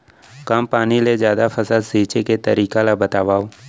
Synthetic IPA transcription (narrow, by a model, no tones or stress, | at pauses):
kampaːniled͡ʒjaːd̪afʰɐsəd̪siːt͡ʃeket̪əɾiːkalabət̪aːʋaːoː